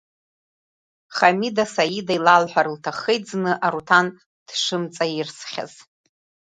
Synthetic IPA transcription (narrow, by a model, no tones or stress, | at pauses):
χamidasajidajlalħʷᶣaɾɨltʰaχejd͡znɨʔaɾutʰan | d̥ʂɨmt͡sʼairsχʲa̰z̥